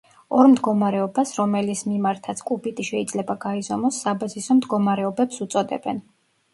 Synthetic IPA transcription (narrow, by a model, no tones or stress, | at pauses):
ɔɾmd̪ɡɔmaɾɛɔbasɾɔmɛlismimaɾt̪ʰat̪sʰkʼubit̪ʼiʃɛid̪zlɛbaɡaizɔmɔsːabazisɔmd̪ɡɔmaɾɛɔbɛpsut̪sʼɔd̪ɛ̰bɛ̰n